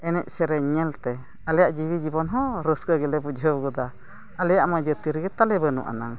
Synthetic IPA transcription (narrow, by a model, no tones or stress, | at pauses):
ɛnɛʔ̚sɛɾɛɲɛlt̪ɛ | alɛjaʔd͡ʒiβid͡ʒibɔnɦɔɾəskəɡɛlɛbud͡ʒəbɡud̪a | alɛjaʔmad͡ʒət̪iɾɡɛt̪alɛbənṵʔa̰naŋ